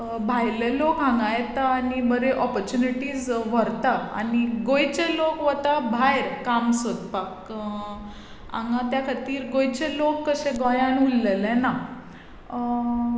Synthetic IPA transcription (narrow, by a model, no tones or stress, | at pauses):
bʱajlelokãŋɡãjet̪aːnibəɾeʔɔpəɾt͡ɕuniʈiːd͡zʋəɾt̪aa̰niɡojt͡ɕelokʋət̪abʱajɾkamsod̪pak | ã̰ŋɡãt̪jakʰat̪iːɾɡojt͡ɕelokːəɕẽɡɔjãnulːelɛ̃na